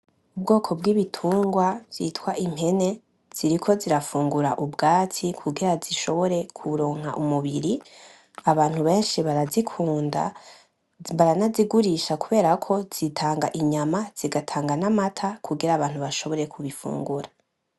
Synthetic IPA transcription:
ubɡo̞ːkʰo̞bɡiːβitʰuːŋɡwazḭtwaʔim̥he̞ne̞ | z̥iɾikʰo̞ziɾafuːŋɡuɾa̰ʔubɡaːt͡sʰikʰuɡiɾaziʃo̞βo̞ɾe̞kʰuɾo̞ːŋ̥ha̰ʔumuβiɾi | aβaːn̥huβe̞ːnʃiβaɾazikʰuːnda̰ | βaɾanaziɡuɾiʃakuβe̞ːɾakʰo̞z̥itʰaːŋɡaʔiɲamaz̥iɡatʰaːŋɡanamatʰakʰuɡiɾaːβaːn̥huβaʃo̞βo̞ɾe̞kuβifṵːŋɡuɾa

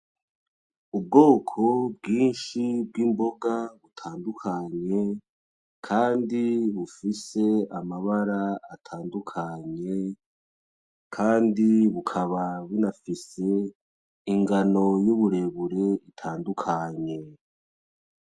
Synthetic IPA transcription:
ub̚ɡo̞ːkʰo̞bɡiːnʃibɡiːmbo̞ɡaβutʰaːndukʰaɲe̞ | kʰaːndiβufise̞amaβaɾaːtʰaːndukʰaɲe̞ | kʰaːndiβukʰaβaβunafise̞ | iŋɡano̞juβuɾe̞βuɾe̞itʰaːndukʰaɲe̞

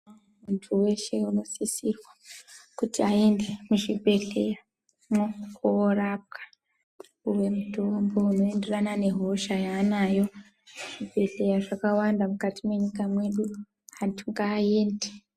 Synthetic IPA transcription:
muntʰuwe̞ʃe̞uno̞sisirwakutiaende̞muʐibʱe̞ɬe̞ja | mokʰoːrap̚kʰḁ | uwe̞mutombo̞uno̞e̞nde̞ranane̞ɦo̞ʃajaːnajo̞ | ʐ̥ibʱe̞ɬe̞jaʐakawandamukatimwe̞ɲikamwe̞ɗu | hatʰuŋɡaːe̞ːnde̥

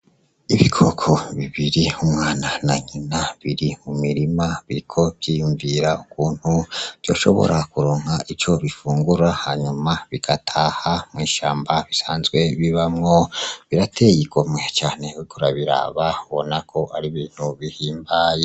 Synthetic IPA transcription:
iβikʰo̞kʰo̞βiβiɾiumŋaːnanaɲinaβiɾimumiɾimaβiɾikʰo̞βɟ̥ijuɱviɾaukuːn̥huvɟoːʃo̞̰βo̰ɾʔakuɾoːŋhaʔit͡ʃo̞βifuːŋɡuɾahaɲumaβiɡ̥atʰahamŋiːʃaːmbaβisaːnzɡwe̞βiβamŋo̞βiɾatʰe̞jiɡomŋe̞t͡ʃaːne̞ikʰoɾaβiɾa̰ːβauβonakʰo̞ʔaɾiβiːn̥huβihiːmbaːje

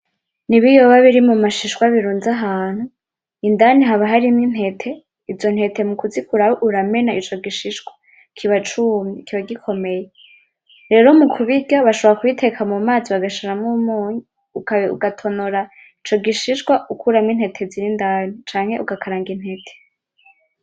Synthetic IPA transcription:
niβijoβaβiɾimumaʃiʃɡwaβiɾuːnzaɦaːn̥hu | indaniɦaβaɦaɾimin̥he̞tʰe̞ | izo̞n̥he̞tʰe̞mukuzikuɾawoʔuɾame̞naʔit͡ʃo̞ɡiʃiʃɡwḁ | kʰiβat͡ʃumikʰiβaɡikʰo̞me̞je | ɾe̞ːɾo̞mukʰuβiɟaβaʃoβoɾakuitʰe̞kʰamumaːziβaɡaʃaɾamŋumuːɲi | ukaṵɡatʰo̞noɾa | it͡ʃo̞ɡiʃiʃɡwaʔukuɾamŋin̥he̞tʰe̞ziɾindanit͡ʃaːŋ̥e̞ʔuɡakʰaɾaːŋɡin̥he̞tʰe̥

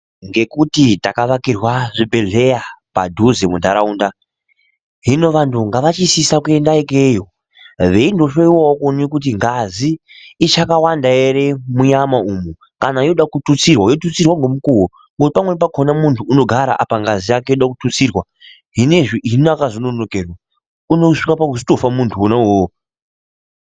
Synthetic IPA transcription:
ŋɡe̞kutitakaʋakirwaʐibʱe̞ɮe̞japa̰dʱuzemundʱaɾauːnda | ɦino̞ʋantʰuŋɡaʋat͡ʃisisakue̞ndaikejo | ʋe̞indo̞ʃoiwaokonikut̬iŋɡazi | it͡ʃakawandaeɾemuɲamaumu | kanaijoɗakutut͡sirwajotut͡sirwaŋɡomukuwo | ŋɡotipamwe̞p̬akʰonamuntʰuːno̞ɡʱaɾa̰ʔa̰paŋɡazijakejoɗakutut͡sirwa | ɦineʐiinoakazononokerwa | uno̞ʂikapakusi̥to̞famuntʰuonawoo

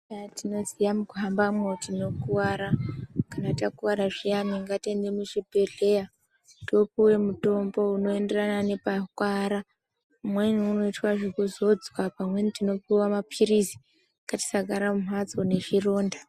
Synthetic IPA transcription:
atino̞zijamukuɦambamwotino̞kuwaɾakanatakuwaɾaʐijamiŋɡatendemuʐibʱe̞ɮe̞ja | to̞puwe̞muto̞mbo̞uno̞e̞nde̞ranane̞pakwaɾa | umweniuno̞itwaʐekuzo̞d͡zwapamwe̞nitino̞puwamapʰiɾizi̥ | ŋkati̥saɡʱaɾamum̤wat͡sone̞ʐiro̞ːnda

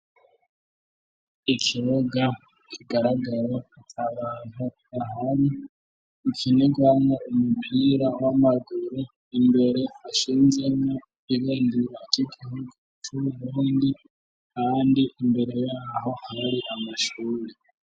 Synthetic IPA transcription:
ikʰiβoɡa | kʰiɡaɾaɡaɾat͡ʃaβanu | aɦaɾiː | kʰinekwanaomubʱiɾawamaduɾu | embe̞ɾe̞haʃiːnzeŋa | iβeːndiβakikʰiɦoɡatʰuuluːndi | kandiʔembe̞ɾe̞jaɦo̞haɾiʔamaʃuːɾe

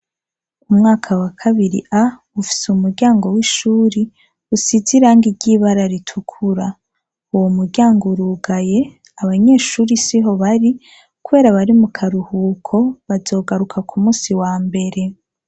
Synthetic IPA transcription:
umŋaːkʰawakʰaβiɾḭʔa | ufi̥sumuɾɟaːŋɡo̞wiʃuːɾi | usiziɾaːŋɡiɟiːβaɾaɾitʰukʰuɾa | uwomuɾɟaːŋɡoɾuɡaje̞ | aβaɲe̞ːʃuːɾisiɦo̞βaɾi | kuβe̞ːɾaβaɾimukʰaɾuhuːkʰo̞βazo̞ːɡaɾukʰakʰumuːsiwaːmbe̞ɾe̞

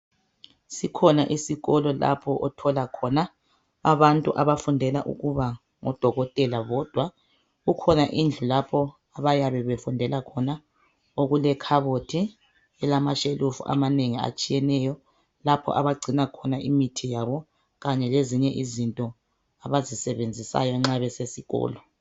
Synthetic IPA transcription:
sikʰɔnaʔisiɣɔlɔla̰pʰɔʔɔtʰɔlakʰɔnaː | βantʼuʔaβafundʱɛla̰ʔṵɣuβa | ŋɔd̥ʱɔɣɔtʼɛlaβɔd̥ʱwa | ɣukʰɔnaʔind͡ɮʱulapʰɔ | aβajaβɛβefundʱɛlakʰɔna | oɣulɛkʰaβotʰi | ɛlamaʃelʔufṵʔa̰maneŋia̰t͡ʃʼijɛnɛjɔ | lapʰɔ̰ʔaβaɡ͡ǀʱinakʰɔnaimitʰijaβɔ | ɣaɲɛleziɲɛʔizintʼɔ | aβazisɛβend͡zʱisa̰jɔŋ͡ǁaβɛsesiɣɔ̰ːlɔ

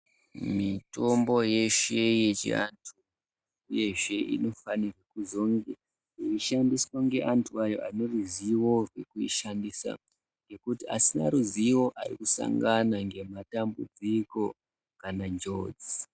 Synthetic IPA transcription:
mito̞mbo̞jeʃe̞jet͡ʃḛantʰu | uje̞ʐe̞ʔḭno̞fanirwekuzo̞ŋɡe | iiʃandiswaŋɡe̞ʔantʰuajo̞̰ʔaneruziwo̞rwe̞̰kuiʃandisa̰ | ŋɡe̞kutia̰sinaɾuziwo̞ʔarikusa̰ŋɡanaŋɡe̞matambṵd͡ziko̞ | kanad͡ʒo̞d͡z

